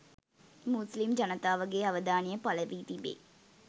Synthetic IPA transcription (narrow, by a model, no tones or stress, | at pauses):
muslimd͡ʒɐnət̪aːʋəɡeːaʋəd̪aːnijəpaləʋiːt̪ibḛː